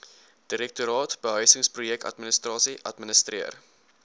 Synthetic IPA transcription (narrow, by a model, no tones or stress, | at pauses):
d̥iɾɛk̚tuɾɑːtb̥əɦœɥsəŋsprujɛk̚tɐ̰tmənəstɾɑːsiʔɐ̰tmənəstriər